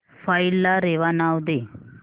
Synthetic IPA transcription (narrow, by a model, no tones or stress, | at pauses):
fajlːaɾeʋanawd̪e